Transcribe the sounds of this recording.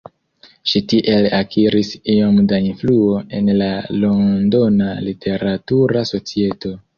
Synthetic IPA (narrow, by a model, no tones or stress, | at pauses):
ʃitiʔe̞lakʰiɾisio̞mdainfluo̞e̞nlalo̞ndo̞nalitʰe̞ɾatuɾaso̞t͡sie̞to̞